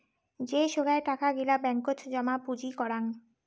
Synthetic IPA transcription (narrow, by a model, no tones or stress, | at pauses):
d͡ʑeʃoɡaeʈakaɡilabɛŋkotd͡ʑɔmapud͡ʑikɔɾan